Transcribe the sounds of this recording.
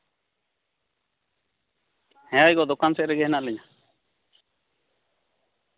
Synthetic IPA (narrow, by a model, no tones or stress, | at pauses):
hɛ̃jajɡɔd̪ɔkansɛʔɾɛɡɛɦɛnaʔlɛɲa